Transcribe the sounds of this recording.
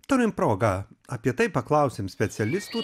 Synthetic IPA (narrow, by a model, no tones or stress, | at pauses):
t̪oɾʲɪmpɾoːɡɐɐpʲiɛt̪ɐɪpɐklˠɐˑʊsʲɪmsʲpʲɛt̪sʲɛlʲɪst̪uː